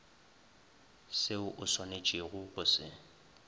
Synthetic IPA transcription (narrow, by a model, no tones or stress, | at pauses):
sɪʊʔʊswɔnet͡ʃʼeɣʊɣʊsɪ